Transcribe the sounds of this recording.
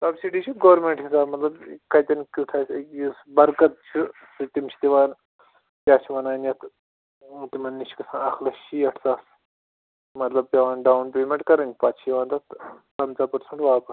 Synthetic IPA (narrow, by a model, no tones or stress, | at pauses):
sɐbsiʈiːt͡ʃʰuɡoːɾmeɳʈɦisaːbmɐt̪lɐbkɐjt̪ʲɐnkʲuʈʰaːjsjisbɐɾkɐt̪̚t͡ʃʰu | sɨt̪imt͡ʃʰi̥t̪iʋaːn | pʲjaːt͡ʃʰiʋɐnaːnjɐt̪ | t̪imɐnːit͡ʃʰi̥kɐsãːnɐxlɐʃiːɐʈʰsaːs | mɐt̪lɐb̚pʲjaʋaːnɖaːwunpeːmʲẽɳʈkɐɾɐnʲd͡ʒʲpaːtt͡ʃʰiʋaːnt̪ɐt̪pɐnt͡saːpɐɾsɐɳʈʋaːpɐs